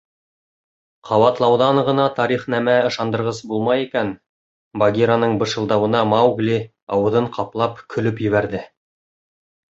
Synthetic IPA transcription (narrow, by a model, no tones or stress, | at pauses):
qʰɑwɑt̪lˠɑwðɑɴʁɤ̆nɑt̪ɑɾiχnæmæɤ̆ʃɑnd̪ɤ̆ɾʁɤzbulˠmɑjikæn | baɡʲiɾanɤɴbɤ̆ʃɤ̆lˠd̪ɑwɤ̆nɑmɑwɡlʲi | ɑwɤ̆ðɤɴqʰɑplˠɑpkʰɵ̆lɵpjɵ̆βæɾðɘ